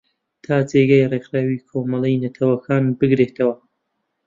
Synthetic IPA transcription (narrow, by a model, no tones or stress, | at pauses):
t̪ʰaːd͡zeːɡɐjreːxɾaːwikʰomɐlejnɐt̪ʰɐwɐkʰaːnbɨɡɾeːt̪ʰɐwɐ